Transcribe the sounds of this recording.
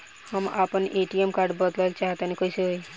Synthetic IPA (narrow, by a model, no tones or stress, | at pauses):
hamapəɳʔeʈiemkaɾɖbəd̪lajlt͡ʃaɦt̪anekəseɦoj